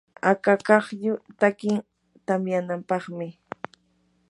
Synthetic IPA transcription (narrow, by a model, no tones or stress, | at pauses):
akakɑχjʊt̪akɪŋ | t̪amjanampɑχmɪ